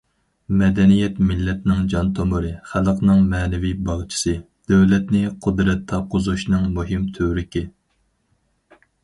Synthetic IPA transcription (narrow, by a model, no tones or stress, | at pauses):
mɛd̪ɛnijɛt̪mɪlːɛt̪nɪŋd͡ʒɑnt̪ʰomʊɾɨχælˠqnɨŋmɛːnɛvijbɑʁt͡ʃʰɪ̥sɨ | d̪̥ɛwlɛt̪nɪqʰʊd̪ɾɛt̪ʰːɑqʰʊzuʃnɨŋmuɦimt̪ʰøɾɪkʲi